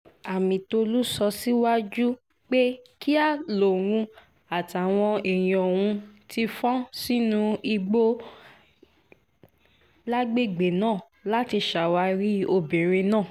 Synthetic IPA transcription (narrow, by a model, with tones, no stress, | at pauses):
a˨mĩ˨to˧lu˦sɔ˧si˦wa˦d͡ʒu˦ | k͡pe˦ki˦a˦˨lo˨w̃ũ˧ | a˨ta˨w̃ɔ̃˧i˨j̃ɔ̃˨w̃ũ˧ti˧fɔ̃˦si˦nũ˦i˧ɡ͡bo˦ | la˦ɡ͡be˦˨ɡ͡be˨nãː˦˨ | la˦ti˧ʃa˨wa˨˧˦ɾi˦o˧˨bĩ˨ɾ̃ĩ˧nãː˦˨